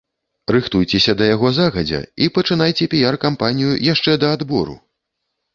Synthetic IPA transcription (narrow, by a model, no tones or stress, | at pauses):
rɨxt̪ujt͡sʲɛsʲɐd̪ɐjaɣɔzaɣɐd͡zʲɛ̰ipɐt͡ʂɨnajt͡sʲɛpʲijarkampanʲijujaʂt͡ʂɛd̪ɐːd̪bɔɾṵ